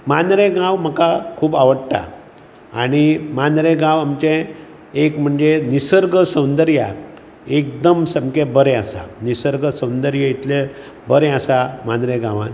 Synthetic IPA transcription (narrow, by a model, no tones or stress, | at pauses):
manɾeɡãwm̤əkakʰuːbaʋəɽʈ̪a̰ | aɽ̃imanɾeɡãwamt͡ɕẽ | ekm̤əɳd͡zenisəɾɡəsəwnd̪əɾja | ek̚d̪əmsəmkebəɾɛ̃asa̰nisəɾɡʱəsə̃wnd̪əɾjəit̪le | bəɾɛasamanɾeɡãʋa̰n